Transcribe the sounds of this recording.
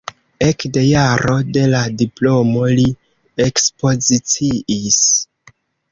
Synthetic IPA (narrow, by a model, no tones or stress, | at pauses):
e̞kde̞jaɾo̞de̞ladiplo̞mo̞li | e̞kspo̞zit͡siʔis